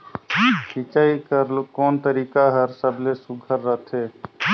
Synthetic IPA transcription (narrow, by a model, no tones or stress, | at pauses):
kit͡ʃaikəɾlkɔːnt̪əɾiːkaɦəɾsəblesuɡʱəɾːət̪ʰe